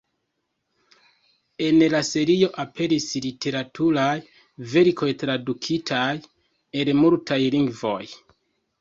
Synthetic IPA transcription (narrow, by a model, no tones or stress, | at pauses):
e̞nlase̞ɾio̞ʔape̞ɾislitʰe̞ɾatʰuɾaj | ve̞ɾkʰo̞jtɾadukʰitʰaj | e̞lmultajliŋɡvo̞j